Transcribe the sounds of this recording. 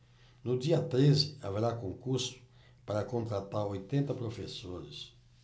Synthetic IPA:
nʊd̪iɐt̪ɾezɪa̰veɾakõŋkuɾsʊ̥ | paɾɐkõnt̪ɾat̪aɾojt̪ẽnt̪ɐpɾofesoɾɪs

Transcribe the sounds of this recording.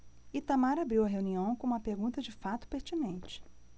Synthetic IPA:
it̪amaɾabɾiwɐɦeũniɐ̃w̃kõũmɐpeɾɡũnt̪ɐd͡ʒɪfat̪ʊ̥peɾt͡ʃinẽnt͡ʃɪ̥

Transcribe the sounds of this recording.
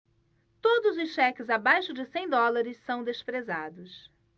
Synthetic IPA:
t̪od̪ʊzʊsʃɛkɪzabajʃʊd͡ʒɪsẽj̃d̪ɔlaɾɪssɐ̃w̃d̪espɾeza̰d̪ʊs

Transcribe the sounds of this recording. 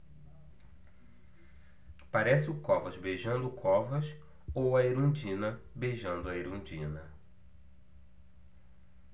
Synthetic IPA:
paɾɛsɪʊkɔvɐzbeʒɐ̃nd̪ʊkʰɔvɐs | owɐeɾũd͡ʒĩnɐbeʒɐ̃nd̪ʊɐeɾũd͡ʒĩnɐ

